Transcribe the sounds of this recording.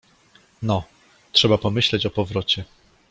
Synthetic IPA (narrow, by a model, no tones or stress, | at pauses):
nɔ | tʂɛbapɔmɘɕlɛt͡ɕɔpɔvɾɔt͡ɕɛ